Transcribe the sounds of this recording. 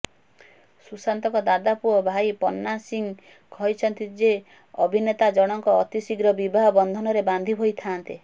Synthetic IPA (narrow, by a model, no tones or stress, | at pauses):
susant̪ɔkɔd̪ad̪apuɔbʱajpɔnːasiŋ | kʰɔjt͡ʃʰɔnt̪id͡ʒe | ɔbʱinet̪ad͡ʒɔɽ̃ɔŋkɔːt̪isiɡɾɔbibʱaɦɔbɔnd̪ʱɔnɔɾeband̪ʱibʱojt̪ʰant̪e